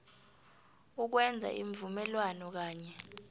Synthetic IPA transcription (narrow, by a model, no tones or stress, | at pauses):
uk̬wɛnd͡zʱa̰ʔiɱvumɛlwanɔk̬aːɲɛ